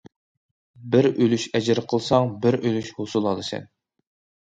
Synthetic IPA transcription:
bɪɾʔølyʃɛd͡ʒɪɾqʰəlˠsɑŋbɪɾʔølyʃhosulˠɑlˠɨsɛ̰n

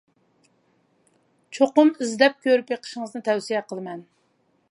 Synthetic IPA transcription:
t͡ʃʰoqʊmizd̪ɛp̚kʲʰøɾypjeqʰə̥ʃɪŋɨznɨt̪ʰɛwsijɛqʰəlˠɨmɛn

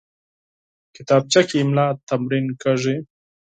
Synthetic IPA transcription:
kɪt̪ɑːb̚t͡ʃakimlɑːt̪ːamɾinkaʐi

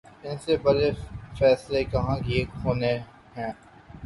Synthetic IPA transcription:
ɪnsebɐɾefɛːslekɐɦãkieːɦoːne | ɦɛ̃ː

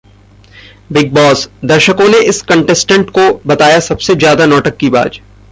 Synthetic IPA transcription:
bɪɡ̚bɔːsd̪ɐɾʃəkõneʔɪskɐ̃ɳʈɛsʈə̃ɳʈkobɐt̪aːjasɐbsed͡ʒjaːd̪anɔːʈəkːiba̰ːd͡ʒ

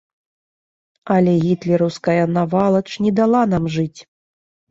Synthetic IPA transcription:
ɐlʲɛɣʲit̪lʲɛɾɐwskɐjɐnavalˠɐt͡ʂnʲɛd̪alˠanamʐɨt͡sʲ

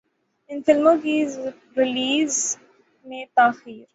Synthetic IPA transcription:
ɪnfɪlmõk̬i | ɾɪliːz | mẽt̪aːxiːɾ

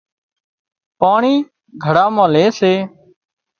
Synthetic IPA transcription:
paːɳiː | ɡʱəɽaːmãːleːseː

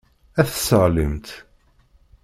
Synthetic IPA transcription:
æθəsəʁləmt̪

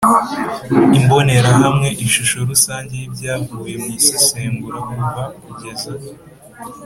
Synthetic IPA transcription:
imbo̞ne̞ɾahamŋe̞ʔiʃuʃo̞ɾusaːɲɟe̞jibɟaːvuːje̞misiseːŋɡuɾakuɱvakuɟe̞za

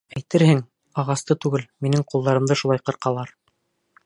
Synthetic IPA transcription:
æjt̪ɘɾhɘŋ | ɑʁɑst̪ɤt̪ʉɡɘlminɘŋqulˠd̪ɑɾɤ̆md̪ɤʃulˠɑjqɤ̆ɾqɑlˠɑɾ

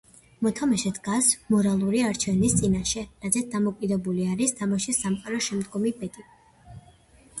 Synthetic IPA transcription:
mɔt̪ʰamaʃɛt̪ʰɡasmɔɾalˠuɾiaɾt͡ʃʰɛvnist̪sʼinaʃɛɾad̪zɛt̪̚d̪amɔkʼid̪ɛbuliaɾist̪ʰamaʃisːamqʼaɾɔʃɛmd̪ɡɔmibɛt̪ʼi

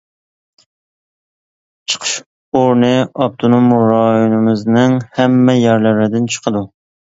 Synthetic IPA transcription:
t͡ʃʰə̥qʰə̥ʃ | oɾnɨɑp̚t̪ʰonomɾɑjunɨmɨznɨŋhɛmːɛjɛɾlɪɾɪd̪ɪnt͡ʃʰə̥qʰəd̪u

